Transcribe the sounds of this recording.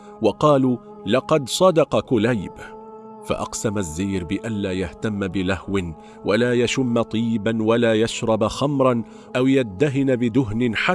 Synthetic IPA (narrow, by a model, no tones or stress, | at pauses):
wɑqɑːluː | lɑqɑd̪sˤɑd̪ɑqɑkʊlajb | fa̰ʔɑ̰qsamazːajːɾbɪʔanlaːjaht̪amːbɪlahwɪn | walaːjaʃʊmːat̪ˤiːbanwalaːjaʃɾˤɑbxamɾˤɑn | ʔawjad̪ːaɦɪnbɪd̪ʊɦnɪnħa